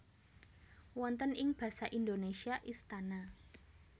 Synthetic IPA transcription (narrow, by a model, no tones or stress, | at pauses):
wɔnt̪ənɪŋb̥ä̤saʔindonesiaʔist̪ana